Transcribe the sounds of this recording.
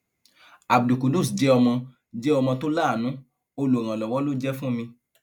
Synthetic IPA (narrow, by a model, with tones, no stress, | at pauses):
a˨bdu˨ko˨do˦˨sd͡ʒɛ˦ɔ˧mã˧ | d͡ʒɛ˦ɔ˧mã˧to˦la˦˨nũ˨˦ | o˧lu˨ɾ̃ã˨lɔ˨wɔ˨˦lo˦d͡ʒɛ˦fũ˦mĩ˧